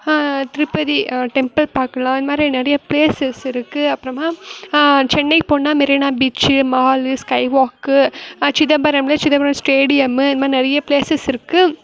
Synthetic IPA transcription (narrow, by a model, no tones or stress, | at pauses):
t̪ɪɾɯpːɐðiʈɛmpɐlpaːɾkɐlãːɪndɐmaːd̪ɾinɐɾɐjɐpleːsɛsɪɾɯkːɯɐpːɯɾɐmaː | t͡ʃɛnːɐɪpoːnːaːmɪɾɪnaːbiːt͡ʃːɯmaːlɯskɐɪʋaːkːɯt͡ʃɪðɐbɐɾɐmlɐt͡ʃɪðɐbɐɾɐmsʈeːɽɪjɐmɯɪnɐmaːɾinɐɾɐjɐpleːsɛsɪɾɯkːɯ